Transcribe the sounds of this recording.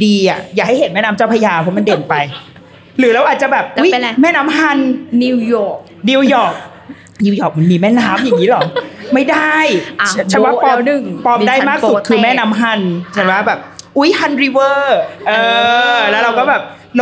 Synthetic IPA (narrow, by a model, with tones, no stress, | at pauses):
diː˧ʔa̰˨˩jaː˨˩k̚ha˥˩jhe˨˩˦nmɛː˥˩naː˦˥mt͡ɕa˥˩pʰa˧jaː˧pʰɔ˦˥ma˧˨nde˨˩npa˧j | ɾɯː˩˦ɾa˧wʔaː˨˩t̪̚t͡ɕa˨˩bɛː˨˩p̚ʔu˦˥jmɛː˥˩naː˦˥mha˧˩nni˧wjɔː˨˩k̚ | ni˧wjɔː˨˩k̚ | ni˧wjɔː˨˩k̚ma˨˧nmiː˧˩mɛː˥˩naː˦˥mja˨˩ŋːiː˦˥lɔ˩˦ma˥˩jda˥˩jt͡ɕʰa˧˥˩waː˥pɔː˧nɯ˨˩ŋpɔː˧mdaː˥˩jmaː˥˩k̚su˨˩kʰɯː˧mɛː˥˩naː˦˥mɦa˧˩nt͡ɕʰa˨˩˦waː˥˩bɛː˨˩p̚ʔu˦˥jhʰa˧nɾi˧˥wɤː˥˧˩ʔɤː˧lɛː˦˥ɾa˧wkɔː˥˩bɛː˨˩p̚ | l